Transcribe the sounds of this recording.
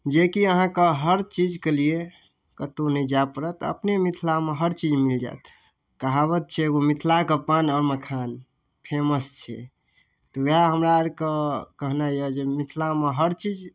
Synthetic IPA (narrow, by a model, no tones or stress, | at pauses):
d͡ʒekiəɦãkəɦəɾt͡ʃid͡ʒkelie | kət̪onəd͡ʒapəɾət̪ə̰pnemit̪ʰlameɦəɾt͡ʃid͡ʒmild͡ʒa̰t̪ | kəɦaβət̪̚t͡ʃʰɛɡomit̪ʰlakəpanəməkʰan | pʰeməst͡ʃʰɛ̰ | t̪ɔʋeaɦəmɾaɾkəkəɦnajəd͡ʒemit̪ʰlameɦəɾt͡ʃid͡ʒ